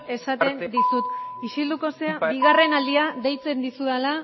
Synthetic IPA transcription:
e̞sat̪e̞nd̪isut̪iʃild̪uko̞seabiɣare̞nald̪iaðe̞jt͡se̞nd̪isuðala

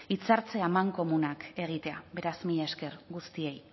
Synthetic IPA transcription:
it͡saɾt͡se̞amaŋko̞munake̞ɣ̞it̪e̞a̰be̞ɾazmiʎeeske̞ɾɡust̪ie̞j

